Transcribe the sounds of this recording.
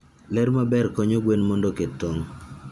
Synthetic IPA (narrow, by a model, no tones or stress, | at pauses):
lɛɾmabɛrkɔɲoɡwenmɔndoketːoŋ